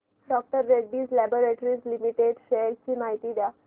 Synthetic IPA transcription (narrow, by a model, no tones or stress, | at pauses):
ɖɔk̚ʈəɾːeɖːiːzlɛboɾeʈɾizlimiʈeɖʃelt͡ɕimaɦit̪iːd̪ja